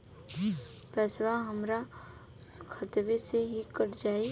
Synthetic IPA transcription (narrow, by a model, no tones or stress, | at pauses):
pɛːswaɦəmɾa | kʰət̪ʋeseɦikəɾd͡ʒaːi